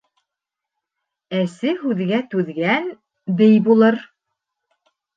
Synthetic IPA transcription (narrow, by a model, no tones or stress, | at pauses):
æsɘhʉðɡæt̪ʉðɡæn | d̪ɘjbulˠɤɾ